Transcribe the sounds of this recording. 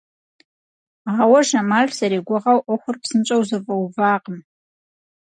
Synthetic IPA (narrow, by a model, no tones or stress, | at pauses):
aʁawaʒamaɮʷsaɾeɡʷʊʁawʔoχʷʊrpʰsɨnt͡ʃʷʼawzavʼawbaːqʼəm